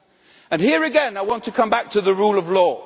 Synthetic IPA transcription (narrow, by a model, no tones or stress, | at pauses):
ɨ̃nhiɹɨɡɛ̃naɪwɑ̃ntʰɨkʰʌ̃mbæk̚tʰɨðəɹulˠəvlɔ